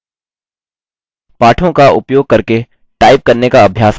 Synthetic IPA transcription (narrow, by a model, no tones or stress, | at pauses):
paːʈʰõkaʊ̰pjoːɡ̚kɐɾke | ʈaːɪp̚kɐɾnekaɐbʱjaːs